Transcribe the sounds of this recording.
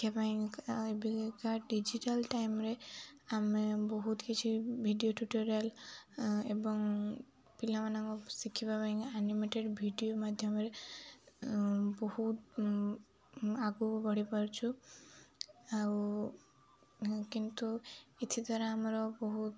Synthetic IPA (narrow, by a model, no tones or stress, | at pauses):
kapaĩkebikaɖid͡ʒiʈalʈajmɾeamebɔɦut̪kit͡ʃʰibʱiɖijoʈuʈɔɾal | ebɔŋ | pilamanaŋɡɔsikʰibapaĩŋanimeʈeɖbʱiɖijomad̪ʱjɔmeɾe | bɔhut̪ | aɡubɔɽipɔɾt͡ʃʰu | au | kint̪uit̪ʰit̪ɔɾaamɾɔbɔɦut̪